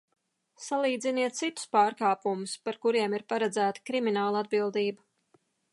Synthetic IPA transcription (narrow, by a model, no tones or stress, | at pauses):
salˠiːd̪ziniɛt̪̚t̪sit̪ʊ̥spaːɾkaːpumʊspaɾkuɾiɛmiɾpaɾad̪zæːt̪ə̥kɾiminaːlˠad̪̚bilˠd̪iːba